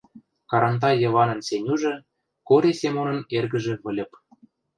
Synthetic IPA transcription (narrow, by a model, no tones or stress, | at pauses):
kɑɾɑnt̪ɑjɤ̆βɑnɤ̆nsenʲuʒĕ | koɾʲesemonɤ̆nerɣə̆ʒĕβə̆lʲə̆p